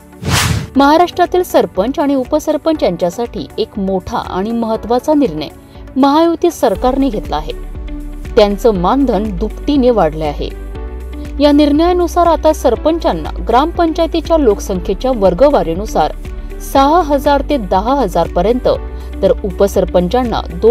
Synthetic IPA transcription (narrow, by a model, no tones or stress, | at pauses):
məɦaɾaʂʈɾat̪iːlsəɾpəɲt͡ɕaɽ̃iupəsəɾpəɲt͡ɕjaɲt͡ɕjasaʈʰḭːekmoʈʰa̰a̰ɽ̃iməɦət̪ːʋat͡saniɾɳə̰j | məɦajuʋt̪iəsəɾkaɾneɡʱet̪laːɦe | t̪jant͡səːmand̪ʱənd̪upʈ̪ineʋaɽ̤leaɦḛ | janiɾɳəjənusaɾat̪asəɾpəɲt͡ɕanːa̰ɡɾampəɲt͡ɕajt̪it͡ɕjalokə̥səŋkʰjet͡ɕjaʋəɾɡəʋaɾinusa̰ɾ | səɦaɦəd͡zaɾt̪ed̪əɦaɦəd͡zaɾpəɾjənt̪ə̰ | t̪əɾupəsəɾpəɲt͡ɕanːa̰d̪o